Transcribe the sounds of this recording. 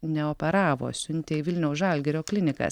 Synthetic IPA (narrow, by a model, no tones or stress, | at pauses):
nʲɛopʲɛɾɑːʋo̰ːsʲʊnʲt̪ʲeɪʋʲɪlʲnʲɛʊsʒɐlʲɡʲɛɾʲoːklʲɪnʲɪkɐ̰s